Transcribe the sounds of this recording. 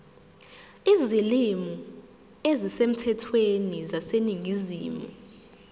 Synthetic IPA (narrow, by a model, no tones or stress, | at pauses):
izilimu | ezisem̩tʰɛtʰwenizaseniŋʱiziːmṵ